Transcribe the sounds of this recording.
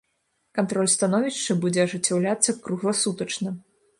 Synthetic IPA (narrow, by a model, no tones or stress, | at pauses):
kant̪ɾɔlʲst̪anɔvʲiʂt͡ʂɐbud͡zʲɛɐʐɨt͡sʲːawlʲat̪sːɐkɾuɣlˠɐsut̪ɐt͡ʂnɐ